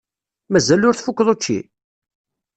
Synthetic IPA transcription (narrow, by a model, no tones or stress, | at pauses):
mæzælʊɾθfukːðˤot͡ʃːḭ